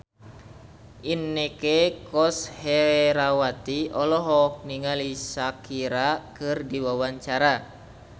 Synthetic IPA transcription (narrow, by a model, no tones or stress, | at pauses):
ʔinːekekɔsheɾawat̪iɔlɔɦɔk̚niŋalisakiɾakɨrdiwawaɲt͡ʃaɾa